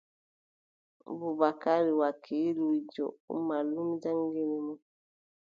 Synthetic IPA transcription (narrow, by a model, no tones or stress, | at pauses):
buβakaɾiwakʰiluid͡ʒɔ̰ṵmalumd͡ʒaŋɡelemɔ